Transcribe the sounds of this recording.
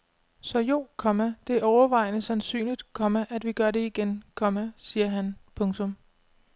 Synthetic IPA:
sɒ̽jo̝̰ːkʰɒ̽mæd̥e̝æɒʊɐʋɑ̈ɪnəsænsy̰ːnlid̥kʰɒ̽mæʔæd̥ʋiɡ̥ɶɐɾe̝iɡ̥enkʰɒ̽mæsiːɐɦænpʰɔ̽ŋt͡sʰɔ̽m

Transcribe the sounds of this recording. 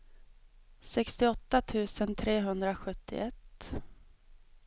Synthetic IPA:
sɛkst̪ɪɔt̪ːat̪ʰʉ̟ːsənt̪ʰɾeːɦɵnd̪ɾaɧɵt̪ʰːɪ̰ʔɛt̪ː

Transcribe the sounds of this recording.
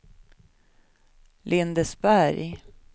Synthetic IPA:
lʔɪnd̪əsbæɾj

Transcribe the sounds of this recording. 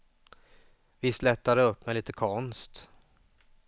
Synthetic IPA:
vɪslɛt̪ːaɾəɵpːmɛjliːt̪əkʰɔnst̪

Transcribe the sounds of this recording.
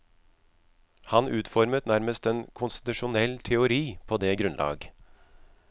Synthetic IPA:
hɑnʔʉːt̪fɔɾmət̪næɾməst̪ɛnkʰʊnst̪ɪ̥t̪ʉʂʊnɛlt̪ʰɛʊɾiːpʰoːd̪eːɡɾʉnlʔɑ̰ːɡ

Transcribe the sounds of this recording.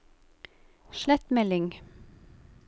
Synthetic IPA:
ʃlæt̪mɛlɪŋ

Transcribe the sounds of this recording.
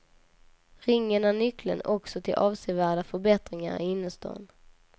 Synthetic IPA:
ɾɪŋːənanʏklə̰nɔksɔt̪ʰɪlʔɑːvseːvæːɖafœɾbɛt̪ɾɪŋa̰ɾɛ̰ɪnːəst̪ɔ̰ːn

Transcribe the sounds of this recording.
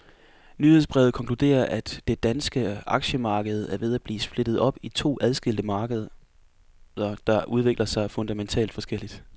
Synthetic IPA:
nyhe̝ðˠsb̥ʁɛ̰ʊð̞̩ˠkʰɒ̽ŋkʰlud̥e̝̰ːɐʔæd̥ːe̝d̥ænsɡ̥əɑ̈ɡ̥ɕəmɑ̈ːɡ̥əð̞̩ˠæɐʋe̝ð̞ˠæb̥lḭːsb̥le̝d̥ð̞̩ˠɒ̽b̥it͡sʰo̝̰ːʔæð̞ˠsɡ̥e̝l̰d̥əmɑ̈ːɡ̥əð̞ˠɐ | ɐd̥ɑ̈ʔuð̞ˠʋe̝ɡ̥lɐsɑ̈ɪfɔ̽nd̥æment͡sʰɛ̰ːld̥fɒ̽sɡ̥el̰id̥

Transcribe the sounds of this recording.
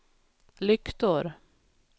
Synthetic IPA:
lʏkt̪ɔɾ

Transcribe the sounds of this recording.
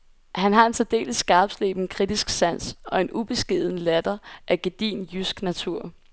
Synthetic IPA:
hænɦɑ̈e̝nt͡sʰed̥e̝̰ːləsːɡ̥ɑ̈ːb̥slḛːb̥n̩kʰʁid̥isɡ̥sæn̰sʔɒ̽e̝nub̥e̝sɡ̥eð̞ˠnəlæd̥ɐʔæɡ̥e̝d̥ḭːnjysɡ̥næt͡sʰuɐ̰

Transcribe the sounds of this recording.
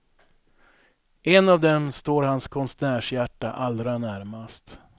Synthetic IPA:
ɛnavd̪ɛmst̪oːɾɦanskʰɔnsæːʂjæʈːa̰ʔald̪ɾanæɾmast̪

